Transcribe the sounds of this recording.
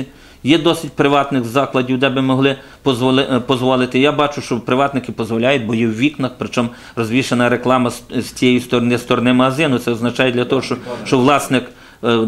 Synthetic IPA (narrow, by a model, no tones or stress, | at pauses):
jɛd̪ɔsʲɪt̚ʲpɾɪʋɑt̪nɪxzɑklˠɐdʲiwd̪ɛbɪmɔɦlˠɪ | pɔpɔzʋɔlˠɪt̪ɪjabɑt͡ʃʊʃt͡ʃɔpɾɪʋɑt̪nɪkɪpɔzʋɔlʲajʊt̚ʲbɔjɛwʋʲiknɐxpɾɪt͡ʃɔm | rɔzʲʋʲiʃenɐɾeklˠɑmɐz̥ʲt͡sʲijɛjist̪ɔnɪst̪ɔɾɔnɪmɐɦɐzɪnʊt̪sɛɔznɐt͡ʃɑjɛd̪lʲɐt̪ɔɦɔʃɔʃt͡ʃɔʋlˠɑsnɪk